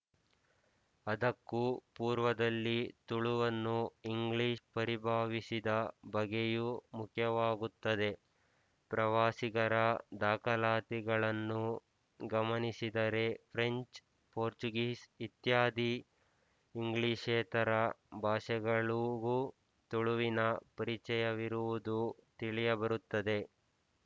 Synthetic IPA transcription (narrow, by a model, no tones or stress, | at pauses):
ɐd̪ɐkːupuːɾʋɐd̪ɐlːit̪uɭuʋɐnːuiŋɡɭiʂpɐɾibʱaːʋisid̪ɐbɐɡejumukʰjɐʋaːɡut̪ːɐd̪e̞ | pɾɐʋaːsiɡɐɾɐd̪aːkɐlaːt̪iɡɐɭɐnːu | ɡɐmɐnisid̪ɐɾe̞pʰɾe̞ɲt͡ʃ | poːɾt͡ʃuɡiːsit̪jaːd̪ʱi | iŋɡɭiːʂeːt̪ɐɾɐbʱaːʂɛɡɐɭuɡu | t̪uɭuʋinɐpɐɾit͡ʃɛjɐʋiɾuʋud̪ut̪iɭijɐbɐɾut̪ːɐd̪e̞